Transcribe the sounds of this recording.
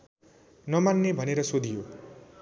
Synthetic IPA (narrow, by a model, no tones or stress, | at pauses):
nʌmanːebʱʌneɾʌsod̪ʱijo